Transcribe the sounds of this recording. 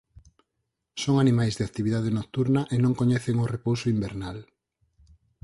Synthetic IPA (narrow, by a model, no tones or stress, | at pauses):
soŋanĩmajzðeakt̪iβiðað̞enok̚t̪uɾnɐʔenõŋkoɲɛθeŋorepowsoimbeɾnal